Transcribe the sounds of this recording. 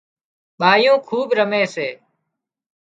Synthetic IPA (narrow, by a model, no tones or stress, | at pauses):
ɓaːjõːkʰuːɓɾəmeːseː